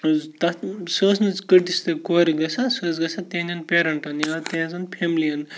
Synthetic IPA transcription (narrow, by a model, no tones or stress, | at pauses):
t̪ɐsəːsnɨt͡skəʈist̪ɐkoːɾiɡɐsasəːs̬ɡɐsʰat̪ẽnʲɐnpʲeːɾɐɳʈɐnjɐt̪ẽːzɐnpʰemliɐn